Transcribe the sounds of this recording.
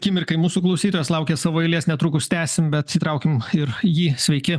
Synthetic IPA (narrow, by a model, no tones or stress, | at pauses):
kʲiːmʲɪɾʲkɐɪmuːsuklˠɐʊsʲiːt̪oːjoslˠɐʊkʲeːsɑːʋoːɛɪlʲeːsnʲɛt̪ɾuːkʊst̪ʲæːsʲɪmbʲɛt̪sʲiːt̪ɾɐʊkʲɪmɪɾjiːsʲʋʲɛɪkʲɪ